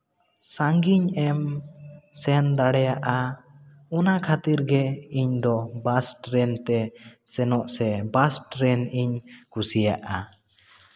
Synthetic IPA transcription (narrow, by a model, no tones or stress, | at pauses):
saŋɡiɲɛm | sɛnd̪aɽɛjaʔa | ɔnakʰat̪iɾɡɛiɲd̪ɔbasʈɾɛnt̪ɛsɛnɔʔsɛbasʈɾɛniɲkusijaʔa